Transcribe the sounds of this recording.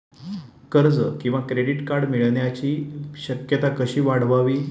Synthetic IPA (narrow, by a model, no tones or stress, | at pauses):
kəɾd͡zəkĩw̃ʋakɾeɖiʈkaɾɽmiɭɳjat͡ɕiːɕəkjət̪akəɕiːʋaɽʋaʋiː